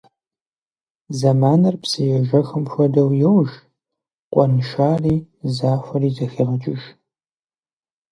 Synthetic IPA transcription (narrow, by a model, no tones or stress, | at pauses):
zɐmaːnɐrpsɐjɛʒɐxɐmxʷɔdɐwjɛwʒ | qʷʼɔnɨʃaːriː | zaːxʷɐriːzɐxɐʁɐt͡ʃʼɪʒ